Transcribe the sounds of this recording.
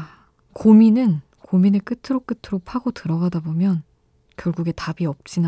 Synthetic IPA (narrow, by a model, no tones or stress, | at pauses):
kominɯn | kominɯɭk͈ɯtʰɯɾok͈ɯtʰɯɾopʰaɡotɯɾʌɡadabomjʌn | kjʌɭɡuɡe̞tabiʌp̚t͡ɕ͈ina